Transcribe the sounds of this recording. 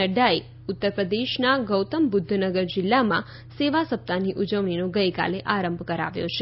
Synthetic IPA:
əɖai | ut̪ːəɾpɾəd̪eʃnaɡəwt̪əmbʊd̪ʱːnəɡəɾd͡ʒɪlːamã | seʋasəp̚t̪aniʔud͡ʒəʋɳinoɡəjka̰leʔaɾəmbʱkəɾa̰ʋjo̰t͡ʃʰe

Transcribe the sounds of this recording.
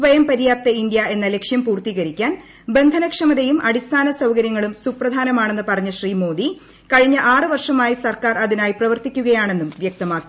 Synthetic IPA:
sʋɐjɐmpɐɾijaːt̪ːɐind̪jɐe̞nːɐle̞kʂjɐmpuːrt̪iɣɐɾikʲːaːn | be̞nd̪ʱɐnɐkʂɐmɐðejumʔɐɽist̪ʰaːnɐsɐwkɐɾjɐŋːɐɭumsuprɐd̪ʱaːnɐmaːɳe̞nːɨpɐrɐɲːɐɕriːmo̞ːd̪i | kɐɻiɲːɐʔaːrɨʋɐrʂɐmaːjisɐrkaːrɐðinaːjiprɐʋɐrt̪ikʲːuɣɐjaːɳe̞nːumʋjɐk̚t̪ɐmaːkːi

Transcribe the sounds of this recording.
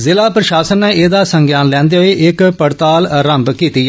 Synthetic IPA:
zɪlaːpɾəʃaːsənːeːeːd̪aːsəŋɡjaːnlɛ̃ːnd̪eːɦoeːʔɪkpəɽt̪aːlɾəmbkiːt̪iːɛː

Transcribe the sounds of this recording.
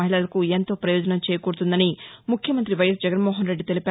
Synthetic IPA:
ɐɦiɭɐlɐkuent̪o̞ːpɾɐjɔːd͡ʒɐnɐmt͡ʃɛːjɐkuɾt̪und̪ɐnimukʰjɐmɐnt̪ɾiʋɐjɐs̬d͡ʒɐɡɐnmoːɦɐnɾe̞ɖːit̪e̞lipaː

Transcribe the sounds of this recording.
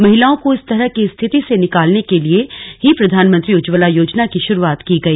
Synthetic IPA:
mɐɦɪlaːõkoɪst̪ɐɾəɦkest̪ʰɪt̪isenɪkaːlnekelieɦipɾɐd̪ʱaːnmə̃nt̪ɾiʊd͡ʒʋəlajoːd͡ʒnakiʃʊɾuaːt̪kiɡɐiː

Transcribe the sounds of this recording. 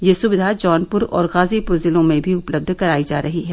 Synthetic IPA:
jeːsʊʋɪd̪ʱad͡ʒɔːnpʊɾɔ̰ːɾɣaːzipʊɾzɪlõmẽbʱiʊpləb̚d̪ʱkɐɾaːid͡ʒaːɾʔɐɦiɦɛː

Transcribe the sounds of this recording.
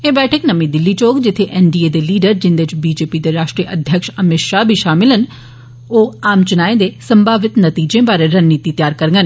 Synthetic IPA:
ẽːbɛːʈʰɪknɐmĩd̪ɪlːit͡ɕoːkd͡ʑɪt̪ʰeʔeːnɖied̪eliːɖəɾd͡ʑɪ̃nd̪et͡ʃbiːd͡ʒeːpid̪eɾaːʃʈɾiːəʔɐd̪ʱjəkʃɐmɪʈʃabʱiʃaːmɪlən | oːaːmt͡ɕʊnaːĩnd̪esɐ̃mbʱaːʋɪt̪nɐt̪iːd͡ʒẽbaːɾeɾɐnniːt̪it̪jaːɾkɐɾə̃ŋɡən

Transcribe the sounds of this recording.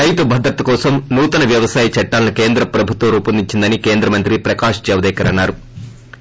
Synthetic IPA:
ɐjt̪ubʱɐd̪ɾɐt̪ːɐkɔːsɐmnuːt̪ɐnɐʋjɐʋɐsaːjɐt͡ʃɐʈːaːlɐnuke̞ːnd̪ɾɐpɾɐbʱut̪ʋɐmɾuːpɐnd̪iɲt͡ʃind̪ɐnike̞ːnd̪ɾɐmɐnt̪ɾipɾɐkaːʂd͡ʒɛʋɐd̪ɛːkɐɾɐnːaːɾu

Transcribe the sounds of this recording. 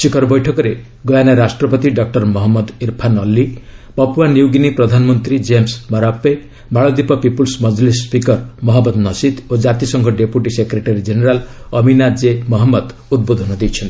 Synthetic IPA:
sikʰɔɾbɔjʈʰɔkɔɾe | ɡɔjanaɾasʈɾɔpɔt̪iɖɔk̚ʈɔɾmɔɦɔmːɔd̪iɾpʰanɔlːipɔpuwanjiwɡinipɾɔd̪ʱanɔmɔnt̪ɾid͡ʒemsmɔɾape | baɭɔd̪ipɔpipulsmɔd͡ʒlisːpikɔɾmɔɦɔmːɔd̪nɔsit̪od͡ʒat̪isɔŋkʰɔɖepuʈisekɾeʈaɾid͡ʒeneɾalɔminad͡ʒemɔɦɔmːɔd̪ud̪̚bod̪ʱɔnɔd̪ejt͡ʃʰɔnt̪i

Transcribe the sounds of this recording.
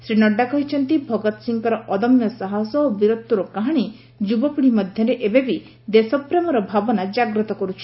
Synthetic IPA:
sɾinɔɖːakɔɦit͡ʃʰɔnt̪ibʱɔɡɔt̪ɔ̥siŋkɔɾɔʔɔd̪ɔmjɔsaɦasɔobiɾɔt̪ːuɾɔkaɦaɽ̃i | d͡ʒubɔpuɽimɔd̪ʱjɔɾeʔebebi | d̪esɔpɾemɔɾɔbʱabɔnad͡ʒaɡɾɔt̪ɔkɔɾut͡ʃʰi̥

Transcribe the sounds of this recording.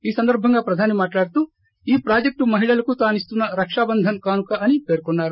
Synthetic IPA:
iːsɐnd̪ɐɾbʱɐŋɡɐpɾɐd̪ʱaːnimaːʈlaːɽt̪u | iːpɾaːd͡ʒek̚ʈumɐɦiɭɐlɐkust̪aːnist̪unːɐɾɐkʂaːbɐnd̪ʱɐnkaːnukɐʔɐnːipe̞ːɾkɔɳːaːɾu

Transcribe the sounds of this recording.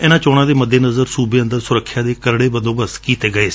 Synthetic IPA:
ɛːnãːt͡ʃɔːɽãːd̪eːməd̪ːeːnəzəɾsuːbeːə̃nd̪əɾsʊɾəkʰːjaːd̪eːkəɾɽeːbənd̪õːbəskiːt̪eːɡəeːsi̥

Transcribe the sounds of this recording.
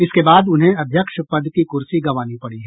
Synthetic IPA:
ɪskebaːd̪ʊnɦẽɐd̪ʱjəkʃpɐd̪ʱkikʊɾsiɡɐʋaːnipɐɽiɦɛː

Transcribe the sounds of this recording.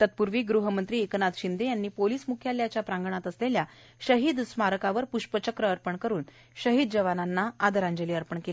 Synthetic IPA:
t̪ət̪̚puɾʋiːɡɾuɦəmənt̪ɾiːeknad̪ɕind̪ejanːiːpoliːsmukʰjaljat͡ɕjapɾãŋɡəɳat̪əslelja | ɕəɦiːd̪smaɾəkaʋəɾpuɕpət͡ɕəkɾəəɾpəɳkəɾuːn | ɕəɦiːd̪d͡ʑəʋananːaad̪əɾãɲd͡ʑəliːəɾpəɳkela

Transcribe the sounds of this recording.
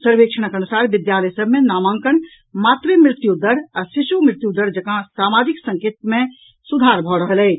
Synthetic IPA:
səɾʋeːkʃʰəɽ̃əkənusaɾʋɪd̪jaːləjsəbʱmẽnaːmãŋkəɳ | maːt̪ɾemɾɪt̪jud̪əɾɔːɾsɪʃumɾɪt̪jud̪əɽd͡ʒəkãsaːmaːd͡ʒɪksə̃ŋkeːt̪̚mẽ | sud̪ʱaɾbʱɔɽəɦəlɛː

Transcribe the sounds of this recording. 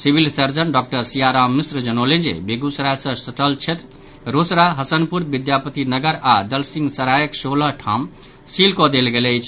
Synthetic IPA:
sibʱilsəɾd͡ʒənɖɔk̚ʈəɾsijaɾamːisɾd͡ʒənoled͡ʒḛbeɡusɾasə̃səʈəlt͡ʃʰet̪ɾ | ɾosɾaɦəsənpuɾbid̪japət̪inəɡəɾad̪əlsiŋɡsəɾajəksoləɦʈʰam | silkɔd̪elɡeləjt͡ʃʰ

